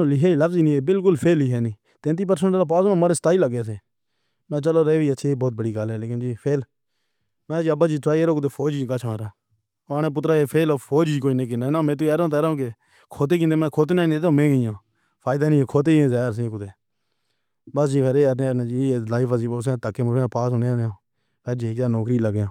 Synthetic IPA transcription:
olɪɦeːiːləfziːnĩːeːbɪlk̬ʊlpʰeːliːɦeːnĩː | t̪ẽːnt̪̬iːp̬əɾsə̃ɳʈːlaːp̬aːznõːmaːɽeːsət̪aːiːləɡeːsẽː | mɛ̃ːt͡ʃəloːɾeeːʋiːətːʃʰiːiːboːt̪̚bəɽiːɡalɦɛːleːkɪnd͡ʒiːpʰeːl | mɛ̃ːd͡ʒiːəbaːd͡ʒiːt̪ɾaːieɾõːkʊd̪eːfʰoːd͡ʒikaːt͡ʃʰaːɾaː | nẽːp̬ʊt̪ɾaːeːpʰeːloːpʰoːd͡ʒiːkoːiːnẽːk̬ɪ̃naːnãːmẽːt̪̬ueːɾõːt̪eːɾaõːke | kʰoːt̪̬eːkĩnd̪eːmɛ̃ːkʰoːt̪ːnaːneːt̪õːmẽːkijãː | pʰaːɪd̪aːnĩːkʰoːt̪̬eːẽːzaːɾs̬ẽːkʊt̪eː | bəsd͡ʒiːpʰeɾeːəɾneːənẽːd͡ʒiːeːlaːiːfəziːposẽːt̪əkːeːməɛ̃ːpaːsʊ̃neːneõː | pʰeɾd͡ʒiːeːkd͡ʒaːnoːkɾiːləɡjãː

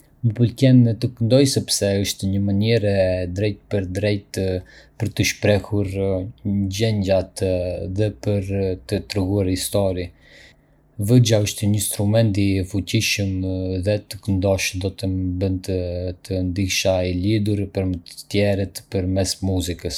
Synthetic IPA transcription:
məpəlkɛnt̪əkənd̪ɔjsɛpsɛəʃt̪ɛɲəmaniɾɛd̪ɾɛjt̪̚pəɾd̪ɾɛjt̪pəɾt̪əʃpɾɛhuɾ | d͡ʑɛɲɟat̪ðɛpəɾt̪ət̪ɾɛɡuaɾhist̪ɔɾi | vəd͡ʒaəʃt̪ɛɲəinst̪ɾumɛnt̪ifuciʃəmðɛt̪əkənd̪ɔʃd̪ɔt̪əbənt̪ət̪ʰənd̪iʃaɛlid̪uɾpəɾmət̪ət̪jɛɾət̪pəɾmɛsmuzikəs

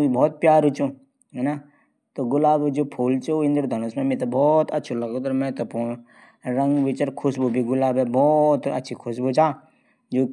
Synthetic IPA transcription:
ibɔːt̪̚pjaːɾut͡ʃũː | ɦɛna | t̪oɡʊlaːbd͡ʒoːpʰuːlt͡ʃoɪ̃nd̪əɾd̪ʱənusmẽmẽt̪ɐbɔːt̪ɐtːt͡ʃʰulɐɡot̪ɐɾmɛ̃t̪ɐpõː | ɾɐ̃ŋɡʋɪt͡ʃəɾkʰʊʃbobʱiɡʊlaːbɛbɔːt̪ɐ̰tːʃʰikʰʊʃbot͡ʃaː | d͡ʒoː

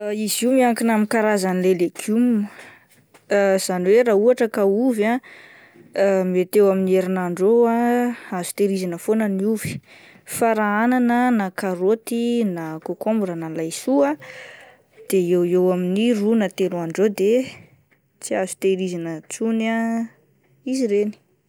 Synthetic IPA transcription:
izimiaŋkinamikaɾazanilelekʰum | z̥aniweɾauaʈ͡ʂəkauva | met̪ewaminieɾinaɳɖ͡ʐoaazu̥t̪eɾizinəfonəniuvi̥ | faɾaananənakaɾot̪inakokombuɾənalajsua | d̪̥eewewaminirunat̪eluaɳɖ͡ʐod̪e | t͡siazu̥t̪eɾizanət͡suna | iziɾeni̥

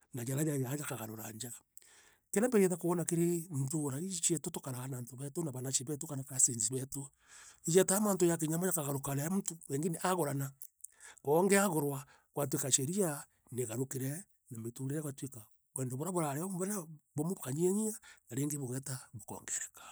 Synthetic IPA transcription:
nad͡ʒaɾajajajakaɣaɾoɾa̰ɲd͡ʒaɣḁ | keɾambeɾeðakoβonakeɾem̩toɾait͡ʃetotokaɾaɣanantoβɛtonaβanat͡ʃeβɛtokanakasenziβɛto | ijɛtamaːntojak̬eɲamajakaɣaɾokaɾeam̩utoeŋɡeneʔaɣoɾana | koːŋɡeaɣoɾwa | kwat̬wekat͡ʃeɾia | neɣaɾokeɾɛ | nametuɾejakwatweka | βweːndoβoɾaβoɾaɾeambaabomoβokaɲeɲianaɾeŋɡeβoɣɛtaβokɔ̰ŋɡeɾekḁ

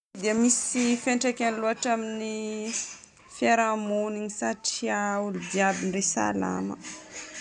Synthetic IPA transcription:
d̪iəmisifeɳʈ͡ʂekaniluaʈ͡ʂamini | feɾamoniɲisaʈ͡ʂiaulud̪iabinresa̰la̰mə̰

